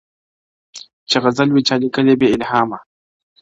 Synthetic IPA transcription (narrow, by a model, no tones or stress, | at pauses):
t͡ʃaɣɐzalwit͡ʃalikɐlebeɪlhaːma